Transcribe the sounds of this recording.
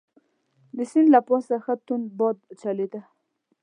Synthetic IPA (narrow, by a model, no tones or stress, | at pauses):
d̪əsɪnd̪lapɑsaxat̪unbɑd̪̚t͡ʃaled̪a